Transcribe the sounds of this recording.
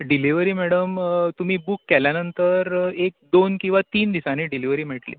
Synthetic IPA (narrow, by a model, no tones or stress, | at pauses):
ɖiliʋəɾiːmɛɽəmt̪um̤iːbukːɛljanənt̪əɾek̚d̪onkĩw̃ʋat̪iːnd̪isaniːɖiliʋəɾiːmeʈlḭː